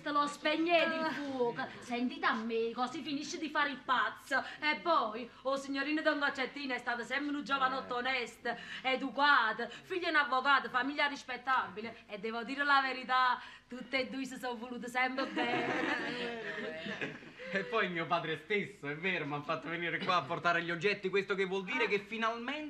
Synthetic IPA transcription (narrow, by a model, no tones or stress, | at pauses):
st̪əlɔspɛɲːɛifukəsɛnt̪iːt̪amːekɔsifiniʃːəd̪ifaːɾipat̪sːəɛpːɔj | ɔsiɲːoɾiːnəd̪ɔŋɡɔt͡ʃːɛt̪ːiːnɛst̪aːt̪əsɛmpɾnud͡ʒɔvanɔt̪ːɔnɛst̪əɛd̪ukwaːt̪əfiʎːəunavːɔkaːt̪əfamiljarispɛt̪ːabilə | ɛd̪ːɛvɔd̪iːɾəlaveɾit̪at̪ːut̪ːed̪ːuisəsɔvːuluːt̪̬əsɛmpɾəbɛn | ɛpːɔjmiːopaːd̪ɾest̪esːoɛvːɛːɾomafːat̪ːəveniːɾɪkwaːpːoɾt̪aːɾeʎːɔd͡ʒːɛt̪ːikwest̪okevːwɔld̪iːɾɪkefːinalmɛnt̪